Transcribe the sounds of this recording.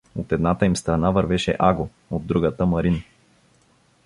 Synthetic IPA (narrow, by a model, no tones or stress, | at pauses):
ot̪ɛd̪nat̪əimst̪ɾɐnavɐɾvɛʃɛ̰ʔaɡo | od̪ːɾuɡət̪əmɐɾin